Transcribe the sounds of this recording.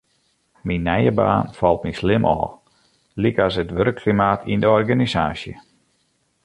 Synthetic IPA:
minːɛjəba̰ːnfɔlˠt̚mislɪmʔɔ̰ː | likasətʋøɾəkʰːlimaːtʰindəɔrɡanisaːsjə̰

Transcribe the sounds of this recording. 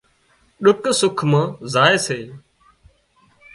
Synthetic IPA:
ɗʊksʊkʰmãːzaːeːseː

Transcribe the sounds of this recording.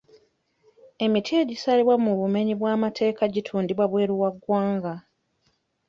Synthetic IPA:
e̞mitʰie̞ɟisaliβwamuβume̞ɲiβwaːmatʰe̞ːkaɟitʰuːndiβwaβwe̞ːɾuwaɡwaːŋɡa

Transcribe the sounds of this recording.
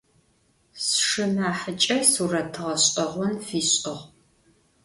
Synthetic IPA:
sʂɨmaːħət͡ʃʼɐsuːrɐtʰɨʁɐɕʼqʼɐʁʷʊnfiːɕʼqɐʁ

